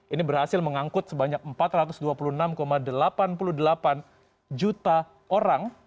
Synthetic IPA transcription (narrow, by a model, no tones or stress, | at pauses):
ʔinibərhasɪlməŋaŋkʊt̪̚səbaɲak̚əmpat̪rat̪ʊsduapulunamkomadəlapanpuludəlapan | d͡ʒut̪a | ʔoɾaŋ